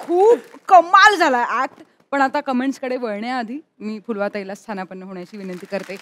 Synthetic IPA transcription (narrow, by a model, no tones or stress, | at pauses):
kʰuːbkəmald͡zʱalaeʔæk̚ʈ | pəɳ̃at̪akəmeɳʈskəɽeʋəɭɳjaːd̪ʱiː | miːfulʋat̪ailast̪ʰanapəɳːəɦoɳjat͡ɕiːʋinənt̪iːkəɾt̪e